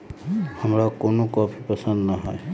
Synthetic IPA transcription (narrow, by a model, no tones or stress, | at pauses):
həmɾakoːnõkɔːpʰipəsə̃nd̪naɦɛe